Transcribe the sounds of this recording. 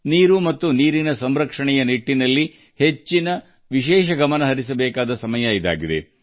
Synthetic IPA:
niːɾumɐt̪ːuniːɾinɐsɐmɾɐkʂɐɳɛjɐniʈːinɐlːi | he̞t͡ʃːinɐ | ʋiʃɛːʃɐɡɐmɐnɐɦɐɾis̬ɐbɛːkaːd̪ɐsɐmɐjɐid̪a̰ːɡid̪e̞̰

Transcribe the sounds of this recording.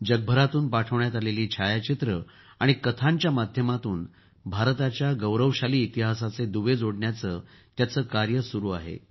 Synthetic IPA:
d͡ʑəɡ̚bʱəɾat̪uːnpaʈʰəʋɳjat̪aleliːt͡ɕʰajat͡ɕit̪ɾə | aɽ̃ikət̪ʰãɲt͡ɕjamad̪ʱjəmat̪uːn | bʱaɾt̪at͡ɕjaɡəwɾəʋɕaliːt̪iɦasat͡sed̪uʋed͡zoɽɳjat͡səː | t̪jat͡səːkaɾjəsuɾuːa̰ɦḛ

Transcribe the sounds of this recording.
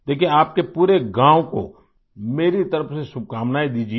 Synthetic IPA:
d̪eːkieaːp̚kepuːɾeɡãːwko̰ | meːɾit̪ɐɾəfsesʊb̚kaːmnaːid̪iːd͡ʒi

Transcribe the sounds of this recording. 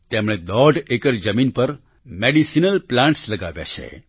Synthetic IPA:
t̪emɽ̃ed̪ɔɖekəɾd͡ʒəminpəɾ | meɖisinəlplãɳʈsləɡaʋja̰t͡ʃʰḛ

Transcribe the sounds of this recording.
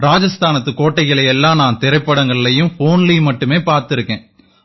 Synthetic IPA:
ɾaːd͡ʒɐst̪aːnɐt̪ːɯkoːʈːɐɪɣɐɭɐjɛlːãːnaːnt̪ɪɾɐɪpːɐɽɐŋɡɐɭɪlɐjɯmfoːnlimɐʈːɯmeːpaːɾt̪ɪɾɯkːẽː

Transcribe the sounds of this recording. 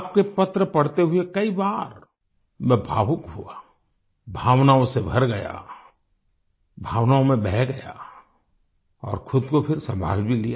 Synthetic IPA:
p̚kepɐt̪ɾəpɐɽt̪eɦʊekɐibaːɾ | mɛ̃bʱaːʋʊkɦua | bʱaːʋnaõsebʱɐɾɡɐja̰ | bʱaːʋnaõmẽbɛɦɡɐja̰ | ɔ̰ːɾkʰʊd̪kopʰɪɾsɐ̃mbʱa̰ːlbʱilijaː

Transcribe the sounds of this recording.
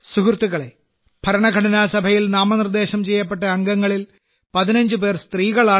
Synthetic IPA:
sukrt̪ːiɣɐɭe | b̥ʱɐɾɐɳɐɡʱɐɽɐnaːsɐbʱɐjilnaːmɐnird̪e̞ːɕɐmt͡ɕe̞jːɐp̬ːe̞ʈ̬ːɐɐŋɡɐŋːɐɭil | pɐðinɐɲd͡ʑɨpe̞ːrst̪riːɣɐɭaː

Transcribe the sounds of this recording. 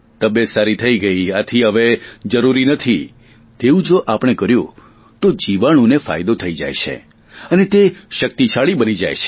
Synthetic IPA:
t̪əbjesaɾit̪ʰəiɡəiat̪ʰiɦəʋed͡ʒəɾuɾinət̪ʰi | t̪eũd͡ʒoʔapɽ̃ekəɾjũ | t̪od͡ʒiʋaɽ̃ũnefa̰jd̪ot̪ʰəid͡ʒa̰jt͡ʃʰḛ | ənet̪eʃək̚t̪it͡ʃʰaɭibənid͡ʒa̰jt͡ʃʰe̥

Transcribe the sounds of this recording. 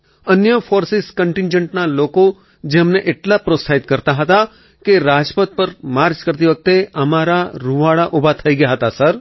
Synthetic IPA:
ənjəfoɾsiskəɳʈɪ̃nd͡ʒəɳʈnaloko | d͡ʒemneʔeʈlapɾosaid̪̚kəɾt̪aɦət̪a | keɾad͡ʒpət̪̚pəɾmaɾd͡ʒkəɾt̪iʋək̚t̪eəmaɾaɾuʋaɭaʔubʱat̪ʰəiɡəjaɦət̪asəɾ

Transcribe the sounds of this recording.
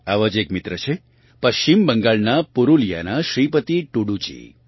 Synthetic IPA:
aʋəd͡ʒekmit̪ɾət͡ʃʰe | pəʃt͡ʃimbəŋɡaɭnapuɾulija̰naʃɾip̬ət̪iʈuɽut͡ʃḭ

